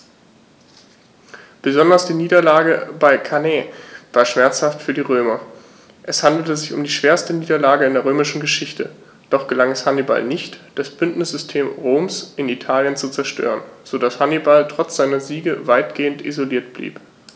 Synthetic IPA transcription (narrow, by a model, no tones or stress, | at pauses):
b̥əzɔndɐsd̥iːniːdɐlaːɡəbaɪkʰanɛːvaːɐʃm̥ɛɐt͡shaftfyːɐdiːʁøːmɐ | ʔɛshandl̩təzɪçʊ̰mdiːʃv̥eːɐstəniːdɐlaːɡəɪndeːɐʁøːmɪʃn̩ɡəʃɪçtə | d̥ɔχɡ̥əlaŋɛshaniba̰lnɪçtd̥asb̥ʏntnɪsz̥ʏstʰeːmʁoːmsʔɪnitʰaːljənt͡sut͡sɛɐʃtø̰ːʁənz̥odashanibaltʁ̥ɔt͡sz̥aɪnɐziːɡəvaɪtɡ̥eːəntḭzoliːɐtb̥lḭːp